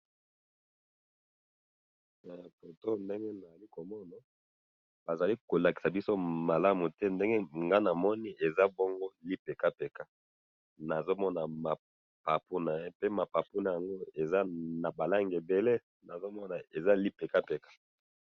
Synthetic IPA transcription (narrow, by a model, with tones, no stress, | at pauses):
ɛ˨fo˨to˦nde˦ŋɡe˦na˨za˨li˦ko˨mɔ˦na˨ | b̥a˨za˨li˦ko˨la˨ki˨sa˨bi˦so˦ma˨la˦mu˨tɛ˦nde˦ŋɡe˦ŋɡa˦na˨mɔ˦ni˦ʔe˨za˦bɔ˦ŋɡo˦li˦pe˨ka˦pe˨ka˦ | na˨zo˦mɔ˦na˨ma˨ | pa˨pu˦na˨je˦pe˦ma˨pa˨pu˦na˨ja˨ŋɡo˦e˨za˦na˨ba˨la˦ŋɡe˨be˨le˦ | na˨zo˦mɔ˦na˨e˨za˦li˦pe˨ka˦pe˨kḁ˦